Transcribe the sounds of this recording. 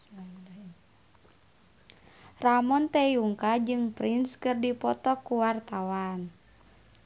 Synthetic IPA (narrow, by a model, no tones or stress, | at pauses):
ramɔnt̪ɛjuŋkad͡ʒɨŋpɾinskɨrdipɔt̪ɔkuwart̪awan